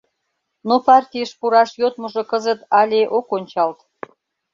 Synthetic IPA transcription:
nopɑrt̪ʲijəʃpuɾɑʃjot̪̚mə̆ʒŏkəzə̆t̪ɑlʲeʔokonʲt͡ɕɑlt̪

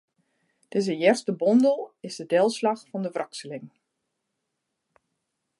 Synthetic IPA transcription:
d̥ɪzəjɛrstəbɔndəlˠɪsdədɛlˠslɑxfɔndəvrɑksəlɪŋ

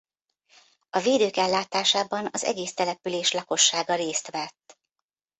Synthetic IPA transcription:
ɒveːd̪øːkɛlːaːt̪aːʃaːbɒnɒzɛ̰ɡeːst̪ɛlɛpyleːʃlɒko̞ʃːaːɡɒɾeːst̪ʋɛt̪ː

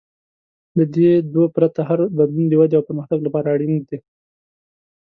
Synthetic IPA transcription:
d̪əd̪ed̪wopɾat̪ahaɾbad̪lund̪əwad̪eawpəɾməxt̪aɡlapɑɾaːɽind̪i

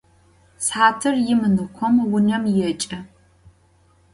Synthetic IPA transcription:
sħaːtʰɨrjɪmɨnɨkʷʰɔmwʊnɐmjɛt͡ʃʼɐ

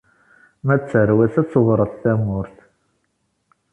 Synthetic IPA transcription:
mæt͡sːəɾwæsæt͡sːvɾˤəθθæmʊɾθ

